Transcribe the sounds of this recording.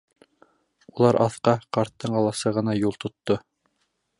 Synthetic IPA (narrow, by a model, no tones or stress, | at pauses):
ulˠɑɾʔɑθqɑqɑɾt̪ːɤɴɑlˠɑsɤʁɤ̆nɑjulˠt̪ŏt̪ːo